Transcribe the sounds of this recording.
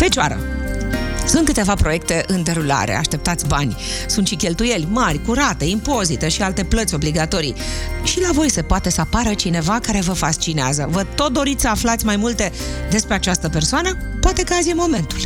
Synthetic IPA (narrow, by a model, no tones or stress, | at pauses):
fe̞t͡ʃoa̰ɾə̰ | sunt̪kɨt̪e̞vapɾo̞je̞k̚t̪e̞ʔɨnd̪e̞ɾula̰ɾḛa̰ʃt̪e̞p̚t̪at̪sʲbanʲ | sunt̪ʃikʲe̞lt̪uje̞lʲmarʲkuɾat̪e̞impo̞zit̪e̞ʃialt̪e̞plət̪ʲo̞bliɡat̪o̞ɾḭʃilavo̞jse̞poat̪e̞səapaɾət͡ʃine̞vakaɾe̞vəfast͡ʃineazəvət̪o̞t̪̚d̪o̞ɾit̪sʲsəaflat̪sʲmajmult̪e̞d̪e̞spɾeat͡ʃast̪əpe̞rsoanəpoat̪e̞kəat̪zjemo̞me̞nt̪ul